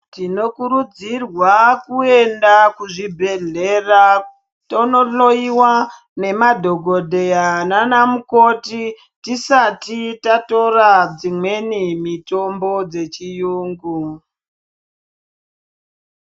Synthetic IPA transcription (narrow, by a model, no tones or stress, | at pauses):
tino̞kuɾud͡zirwakue̞ndakuʐibʱe̞ɮe̞ra | tono̞ɬo̞iwa | ne̞madʱoɡʱo̞dʱejananamuko̞ti | tisatitato̞rad͡zimwe̞nimito̞mbo̞d͡ze̞t͡ʃijuːŋɡu